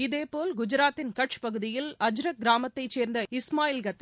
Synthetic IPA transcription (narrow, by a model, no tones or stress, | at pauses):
ɪðeːpoːlɡʊd͡ʒɪɾaːt̪ːɪnkɐʈ̚t͡ʃpɐɣɯðɪjɪlɐd͡ʒɾɐk̚ɡɪɾaːmɐt̪ːɐɪt͡ʃːeːɾnd̪ɐɪsmaːjɪlɡɐt̪ː